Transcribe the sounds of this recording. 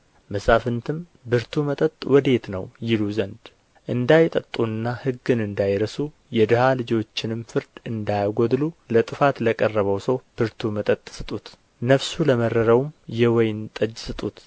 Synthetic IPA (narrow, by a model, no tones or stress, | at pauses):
məsafɨnt̪ʰɨm | bɨɾt̪ʰumət̪ʼət̪ʼwɔd̪e̞t̪nəwjɪluzənd̪ | ʔɨnd̪ajt̪ʼət̪ʼːuɨnːahɨɡːɨnɨnd̪ajɾəsu | jɛd̪ɨhalɨd͡ʒo̞t͡ʃːɪnɨmfɨɾd̪ɨnd̪ajaɡod̪lulət̪ʼɨfat̪ləkʼərːəβəwsəwb̥ɨɾt̪ʰumət̪ʼət̪ʼːsɨt̪ʼut̪ | nəfsuləmərːəɾəwmjɛwɔjɪnt̪ʼəd͡ʒsɨt̪ʼut̪